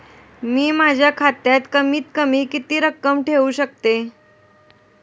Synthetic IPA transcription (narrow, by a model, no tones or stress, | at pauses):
miːmad͡ʑʱjakʰat̪jat̪kəmiːt̪̚kəmiːkit̪iːɾəkːəmʈʰeʋuːɕək̚t̪e